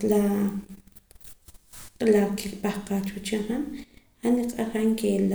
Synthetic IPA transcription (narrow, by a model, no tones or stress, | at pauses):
la | qʼlakikpahqaːt͡ʃut͡ʃahan | haniqʼaɾaŋkel